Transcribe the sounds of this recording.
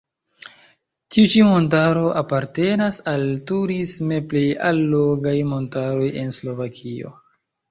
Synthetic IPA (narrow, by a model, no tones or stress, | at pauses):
tiut͡ʃimo̞nt̬aɾo̞ʔapaɾte̞nasaltuɾisme̞ple̞jalːo̞ɡajmo̞ntaɾo̞je̞nslo̞vakʰio̞̰